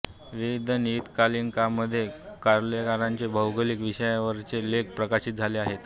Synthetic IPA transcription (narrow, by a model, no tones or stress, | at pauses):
ʋid̪ʱənit̪kaliːnkamːəd̪ʱːjekaɾljəkaɾaɲt͡sebʱəwɡəliːkʋiɕəjaʋəɾt͡selek̚pɾəkaɕit̪̚d͡zʱaleaɦet̪